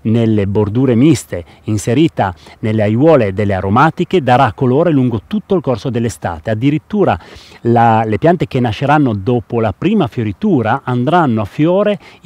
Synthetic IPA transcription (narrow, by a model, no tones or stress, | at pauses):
nelːebord̪uːɾemist̪e | inseɾiːt̪anelːeajwɔːled̪elːeaɾomaːt̪iked̪aɾakːoloːɾeluŋɡot̪ut̪ːoilkorsod̪elːest̪a̰ːt̪ead̪ːiɾit̪ːuːɾa̰lalepjant̪ek̟enːaʃːeɾanːod̪oːpolapɾiːmafjoɾit̪uːɾaʔand̪ɾanːoafːjoːɾe